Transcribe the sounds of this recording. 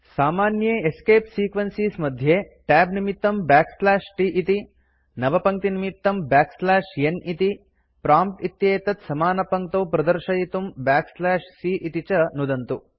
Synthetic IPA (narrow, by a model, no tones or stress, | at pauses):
saːmaːnjeːeskeːpsiːkʋɐnsiːsmɐd̪ʱjeː | ʈɛːbnimit̪ːɐmbaːkslaːʃʈiʔit̪i | nɐʋɐpɐŋkt̪inimit̪ːɐmbaːkslaːʃjenit̪i | pɾaːmpʈit̪jeːt̪ɐt̪sɐmaːnɐpɐŋk̚t̪oːpɾɐd̪ɐɾʃɐjit̪umbaːkslaːʃsiʔit̪it͡ʃɐnud̪ɐnt̪u